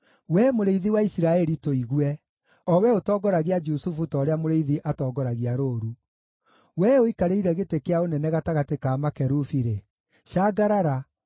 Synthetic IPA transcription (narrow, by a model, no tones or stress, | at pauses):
wɛmoɾeiðiwaisiɾaɛɾitoiɣwɛ | ɔwɛotɔːɡɔɾaɣead͡ʒusufutɔɾeamoɾeiðiʔatɔːɡɔɾaɣiaɾoːɾu | wɛoikaɾeiɾɛɣetekeaonɛnɛɣataɣatekaːmakɛɾufiɾe | ʃaːɡaɾaɾa